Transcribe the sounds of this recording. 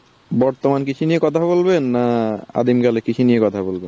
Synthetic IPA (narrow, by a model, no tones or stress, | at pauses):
bɔɾt̪omankit͡ɕʰunijekɔt̪ʰaβolbenːaa̰d̪imkalekit͡ɕʰunijekɔt̪ʰabolben